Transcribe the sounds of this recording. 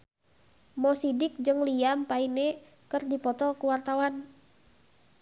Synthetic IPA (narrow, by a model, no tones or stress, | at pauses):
mɔsidɪk̚d͡ʒɨŋliampainɛ | kɨrdipɔt̪ɔkuwart̪awan